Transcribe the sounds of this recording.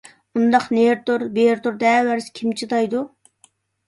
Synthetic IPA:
und̪ɑqneɾt̪uɾbeɾt̪uɾd̪ɛːwæɾsɪ̥kʲʰimt͡ʃʰid̪ɑjd̪u

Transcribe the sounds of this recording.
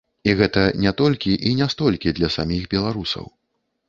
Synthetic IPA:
iɣɛt̪ɐnʲɛt̪ɔlʲkʲiʔinʲɛst̪ɔlʲkʲid̪lʲɐsamʲiɣbʲɛlˠaɾusɐ̰w

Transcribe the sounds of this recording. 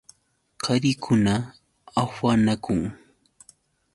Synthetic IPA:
qʰaɾɪkʰʊna | awanakʊŋ

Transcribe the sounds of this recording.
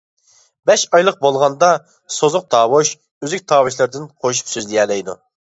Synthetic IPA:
bɛʃɑjlˠəq̚bolˠʁɑnd̪ɑ | sozʊq̚d̪ɑːwoʃ | øzykʲt̪ʰɑːwɨʃlˠɪɾd̪ɪnqʰoʃ̬y̥psyzlijɛːlɛjd̪ṵ

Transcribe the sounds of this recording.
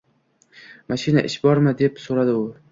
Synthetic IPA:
maʃina̰ʔɪʃbɒɾmɪd̪e̞psoɾad̪ɪʊ

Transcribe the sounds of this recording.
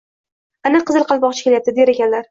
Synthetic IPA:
anaqʰɨzɨlˠqʰɑlˠbɒʁt͡ʃʰɪ̥kʲe̞ljap̚t̪ɪd̪eɾekʲanlaɾ

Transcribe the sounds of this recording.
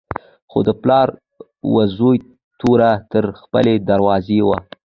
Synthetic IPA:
xo̰d̪əplɑɾ | wazoj | t̪uɾat̪əɾxpə̰led̪aɾwɑzewa

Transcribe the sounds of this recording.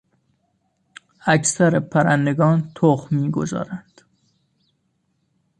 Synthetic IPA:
æcʰsæɾepʰæɾænd̪eɡɒːnt̪ʰoχmiːɡozɒ̰ːɾænd̪̥

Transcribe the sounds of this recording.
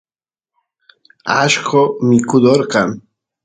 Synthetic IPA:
aʃqomɪkʊd̪oɾqɑŋ

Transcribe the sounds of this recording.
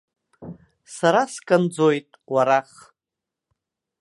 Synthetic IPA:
saɾaskʼand͡zojtʼwaɾaχ

